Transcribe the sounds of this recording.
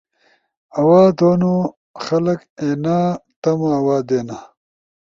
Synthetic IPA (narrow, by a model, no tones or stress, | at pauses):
ɐwaːd̪oːno | xɐlɐkeːnaːt̪ɐmaːwaːd̪eːna